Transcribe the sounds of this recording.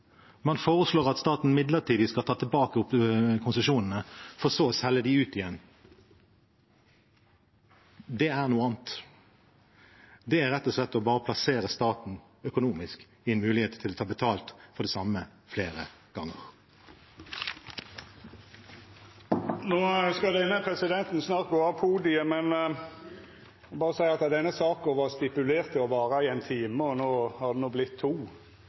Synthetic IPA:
mɑnfoːʁəsloːʁɑt̪st̪ɑːt̪n̩mɪd̪ləʁʈʰiːd̪ɪskɑlt̪ɑːt̪ʰɛlbɑːkəʊp̪kʰʊnsəʃuːnnəfɔʁsoːsɛləd̪ɪʉːt̪ɪjɛnː | d̪ɛæʁnuːəɑːnt̪ | d̪ɛæɾʁɛt̪ːɔʂlɛt̪ːɔbɑːʁəpʰlɑseːɾəst̪ɑːt̪n̩ | œkʊnuːmɪsk | ɪɛnmʉːlɪheːt̪t̪ʰɪloːt̪ʰɑːbət̪ʰɑːlt̪fɔʁd̪ɛsɑmə | fleːɾə̰ɡ̥ɑŋːəʁ | noːskɑd̪ɛnːəpʰɾɛsɪd̪ɛnt̪n̩snɑːɾt̪̚ɡoːɑʋpʰuːd̪ɪəmɛn | bɑːɾəsæɪɑt̪d̪ɛnːəsɑːkɔʋɑːɾst̪ɪpʉleːɾt̪ɪɔʋɑːɾəɪɛɪnt̪ʰiːməɔnoːhɑd̪ɛnuːblɪt̪ʰːuː

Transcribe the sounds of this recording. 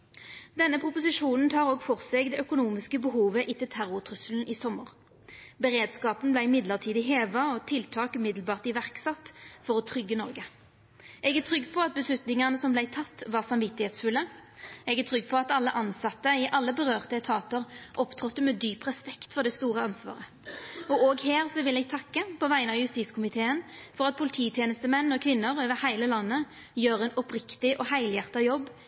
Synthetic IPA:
d̪ɛnːəpʰʁʊpʊsɪʂuːnn̩t̪ʰɑːʁoːɡfɔʁseːkd̪ɛːʔœkʊnuːmɪskəbəɦuːʋəʔɪt̪ɪlt̪ʰæʁʊʁt̪ʰʁʉsəln̩ɪːsɔməʁ | bəʁeːd̪skɑːpən̩blæɪɪmɪd̪ləʁt̪ʰiːd̪ɪɦeːʋɑɔt̪ʰɪlt̪ʰɑːkʉmɪd̪lbɑːʁt̪ɪʋæʁksɑt̪ːfɔʁɔt̪ʰʁʏɡːənɔʁɡə | ʔɛɡæt̪ʰʁʏɡːpʰɔɑt̪̚bəslʉt̪nɪŋɑnəsɔmblæɪt̪ʰɑt̪ːʋɑːʁsɑmʋɪt̪ːɪheːt̪sfʉlːəɛɡæt̪ʰʁʏɡːpʰɔɑt̪ɑlːəʔɑnsɑt̪ːəɪʔɑlːəbəʁøːʁt̪əɛt̪ʰɑːt̪əʁʔɔpt̪ʰʁɔt̪ːəmɛd̪yːpʁɛspɛkt̪fɔʁd̪ɛst̪uːʁəɑnsʋɑ̰ːʁə | ɔoːɡɦeːʁsɔʋɪlɛɡ̚t̪ʰɑkːəpʰɔʋæɪənɑʋjʉst̪iːt̪skʰʊmɪt̪ʰeːənfɔʁɑt̪̚pʰʊlɪt̪ʰiːt̪ʰjɛːnəst̪əmɛnːɔkʰʋɪnːəʁøːʋəʁhæɪləlɑnːə | jøːʁɛnɔpʁɪkt̪ɪʔɔhæɪljæʁt̪ɑjɔbː

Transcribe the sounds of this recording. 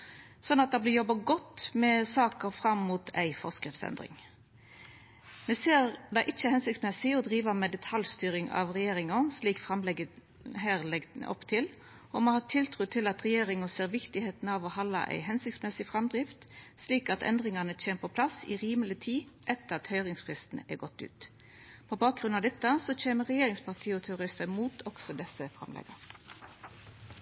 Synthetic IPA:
sɔnːɑt̪̚d̪ɑblɪjɔbːɑɡɔt̪ːmɛsɑːkəɾfɾɑmːuːt̪ʰæɪfɔʁskɾɪft̪sɛ̰nd̪ʁɪ̰ŋ | mɛseːʁd̪ɛʔɪt͡ʃːəhɛnsɪkt̪smɛsɪɔd̪ɾiːʋəmɛd̪ɛt̪ʰɑljst̪yːɾɪŋɑ̰ʋʁɛjeːɾɪŋɑsliːkfʁɑmlɛɡə | ɦæːʁlɛɡ̪̰ʔɔpːt̪ʰɪl | ɔmohɑːt̪ʰɪlt̪ʰʁuːt̪ʰɪlɑt̪ʁɛjeːɾɪŋʊseːʁʋɪkt̪ɪheːt̪n̩ɑːʋɔhɑlːɑ̰ʔæ̰ɪɦɛnsɪkt̪smɛsɪfɾɑmd̪ʁɪft̪sliːkɑt̪ɛ̰nd̪ʁɪŋɑnəc͡çʰeːnəpʰɔpʰlɑsɪ̰ʁiːməlɪt̪ʰiːʔɛt̪ːəʁɑt̪hœʏʁɪŋsfʁɪst̪n̩ɛ̰ɡɔt̪ːʉ̰ːt̪ | pʰɔbɑːk̚ɡʁʉnɑʋd̪ɛt̪ːəsɔt͡ʃeːməʁɛjeːɾɪŋspɑʁt̪ʰiːɔt̪ʰɛʊɾɪst̪əmuːt̪ʰɔɡ̥sɔd̪ɛsəfɾɑ̰mlɛ̰ɡɑʁ

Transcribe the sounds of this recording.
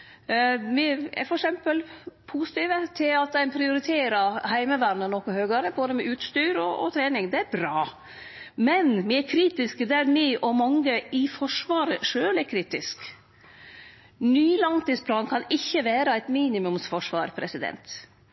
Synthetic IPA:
ʋɪɛ̰ɾfɔɾɛksɛmpəlpʰusɪ̥t̪iːʋət̪ʰɪlɑt̪̚d̪æɪnpʰɾɪʊɾɪt̪ʰeːɾɑhæɪməʋæɾnənɔkɔhøːɡɑɾəboːd̪əmɛʔʉːt̪st̪yːɾɔɔ̰t̪ʰɾeːnɪŋd̪ɛæɾbɾɑː | mɛnʋɪɛɾkʰɾiːt̪ɪskəd̪æɾmɪʔɔmɑŋːəɪfɔʂʋɑːɾəʂøːlɛɾkʰɾiːt̪ɪsk | nyːlɑŋt̪iːspʰlɑːnkʰɑnɪçːəʋæːɾɑæɪt̪miːnɪmʉmsfɔʂʋɑ̰ːɾpʰɾɛsɪd̪ɛ̰nt̪

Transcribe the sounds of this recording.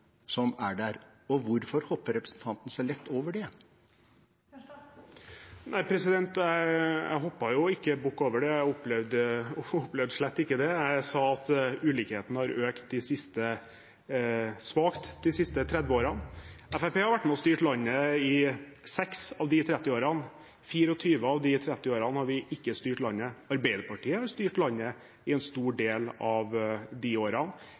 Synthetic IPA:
sɔmæɖæɾ | ɔʋʊɾfɔɾhɔpːəɾɛpɾəsn̩t̪ʰɑnt̪n̩əsæɪlɛt̪ːoːʋəɖɛ | nʔæɪpʰɾɛsɪd̪ɛnt̪æɪjæ̰ɪɦɔpːɑjʊɪkːəbʊkːoːʋəɖɛæɔpːlɛʋd̪əʊplɛʋd̪əʂɭɛt̪ːɪkːəd̪ɛæɪsɑːɑt̪ʉːliːkheːt̪nəhɑɾøːkt̪̚d̪ɪsɪst̪ə | sʋɑːkt̪d̪ɪsɪst̪ət̪ʰɾɛd̪ʋəoːɾɑnæfæpeːhɑɾʋæʈːmɛɔst̪yːʈlɑnːəɪsɛksɑʋd̪ɪt̪ʰɾɛt̪ːɪoːɾɑn | fiːɾəɔt̪ʰyːʋəɑʋd̪ɪt̪ʰɾɛt̪ːɪoːɾɑnhɑɾʋɪʔɪkːəst̪yːʈlɑnːəɑɾbæɪd̪əpɑʈʰiːəhɑɾst̪yːʈlɑnːə | ɪɛnst̪uːɖeːlɑʋd̪ɪoːɾɑn

